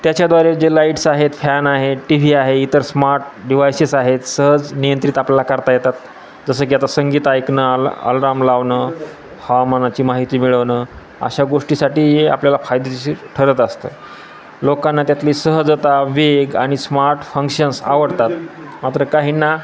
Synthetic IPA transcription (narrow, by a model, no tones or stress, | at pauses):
t̪jat͡ɕad̪ʋaɾed͡ʑelaiʈsaɦet̪fɛnaɦeʈiʋ̤iːaɦeit̪əɾsmaɾʈ̚ | ɖiʋ̤ajsisaɦet̪səɦəd͡znijənt̪ɾit̪apljalakəɾt̪ajet̪at̪ | d͡zəsəːk̬iat̪asəŋɡiːt̪ajknəə̰lɾamlaʋnə | hamanat͡ɕiːmaɦit̪iːmiɭəʋnə | a̰ɕaɡoʂʈiːsaʈiːɦea̰pljalafajd̪eaɕiʈʰəɾət̪əst̪əː | lokanːat̪jat̪liːsəɦəd͡zət̪aʋeɡa̰ɽ̃ismaɾʈfəŋkɕənsa̰ʋəɽt̪at̪ | mat̪ɾəkaɦiːnːa